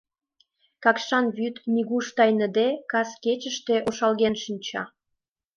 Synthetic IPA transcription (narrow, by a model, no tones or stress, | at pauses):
kɑkʃɑnβyt̪niɣuʃt̪ɑjnə̆d̪ekɑsket͡ɕəʃt̪e̽ʔoʃɑlɣenʃinʲt͡ɕɑ̰